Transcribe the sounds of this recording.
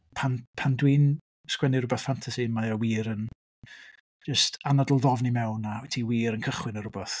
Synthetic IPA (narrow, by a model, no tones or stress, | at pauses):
pʰanpʰandwiːn | skwɛnirʊbɛθfantʰasiənmaawiːɾən | d͡ʒəstanadlˠðɔvnimɛwnawɛtʰiwiːɾənkʰəχwɪnəɾʊbɛθ